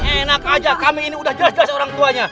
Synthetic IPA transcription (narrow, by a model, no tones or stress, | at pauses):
enakad͡ʒakamiːniudahd͡ʒəlasd͡ʒəlasoɾaŋt̪uaɲa